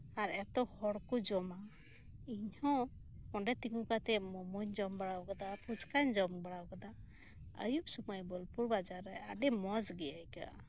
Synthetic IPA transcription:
aɾɛt̪ɔhɔɽkud͡ʒɔma | iɲhɔ̃ɔɳɖɛt̪iŋũkat̪ɛmɔmɔɲd͡ʒɔmbaɽawkad̪apud͡ʒkaɲd͡ʒɔmbaɽawkad̪a | ə̰jupsumajbɔlpuɾbad͡ʒaɾɛa̰ɖɛmɔzɡɛjajka̰ʔ

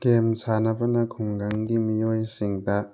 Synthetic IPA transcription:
kemsanɐbɐnɐkʰuŋɡaŋɡimijojsiŋdɐ

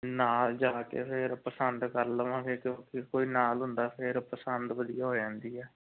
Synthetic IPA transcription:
naːld͡ʒaːkḛːpʰɪɾpəsənd̪kəɾd̪əʋãːkeːkjõːkikoːiːnaːlɦʊnd̪aːpʰɪɾpəsənd̪ʋəd̪ijaːɦoːd͡ʒãːnd̪iːɛː

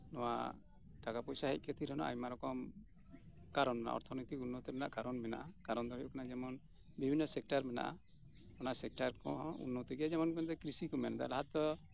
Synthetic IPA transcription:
nɔwa̰ | t̪akapɔcsaɦɛc̚ˀkɛt̪ʰiɾɔnɔ̰ʔa̰jmaɾɔkɔm | kaɾɔnmɛna̰ʔɔ̰ɾt̪ʰɔnit̪ikunːɔt̪ɛmɛna̰ʔkaɾɔnmɛna̰ʔakaɾɔnd̪ɔɦɔjukanad͡ʒɛmɔn | bibʱinːɔsɛk̚ʈaɾmɛna̰ʔa̰ | ɔnaʔsɛk̚ʈaɾkɔṵnːɔt̪ɛɡɛjad͡ʒɛmɔnkɔnd̪ɔkɾisikɔmɛnd̪a̰laɦat̪̚ːɔ

